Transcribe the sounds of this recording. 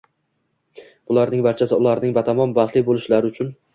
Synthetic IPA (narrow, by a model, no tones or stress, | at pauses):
b̥ʊlˠaɾnɪŋbaɾt͡ʃʰasɪʊlˠaɾnɪŋbat̪ʰamɒnbaχlˠɪbolˠɪʃlaɾɪʊt͡ʃʰʊn